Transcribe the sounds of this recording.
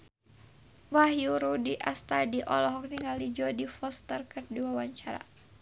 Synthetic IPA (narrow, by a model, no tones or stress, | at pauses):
wahjuɾudiʔast̪adiʔɔlɔɦɔk̚niŋalid͡ʒɔdifɔst̪ərkərduwawaɲt͡ʃaɾa̰